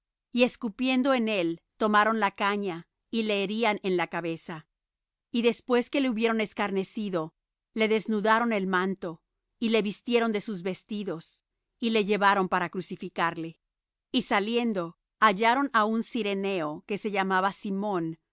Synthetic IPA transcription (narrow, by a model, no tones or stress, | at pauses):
ie̞skupje̞nd̪o̞e̞ne̞lt̪o̞maɾo̞nlakaɲa | ile̞ːɾiane̞nlakaβe̞sa | iðe̞spwe̞ske̞le̞uβje̞ɾo̞ne̞skaɾne̞siðo̞ | le̞ðe̞znuðaɾo̞ne̞lmãnt̪o̞ | ile̞βist̪jeɾo̞nd̪e̞suzβe̞st̪iðo̞s | ile̞ʝe̞βaɾo̞mpaɾakɾusifikaɾle̞ | isalje̞nd̪o̞ | aʝaɾo̞naunsiɾe̞ne̞o̞ke̞se̞ʝamaβasimõ̞n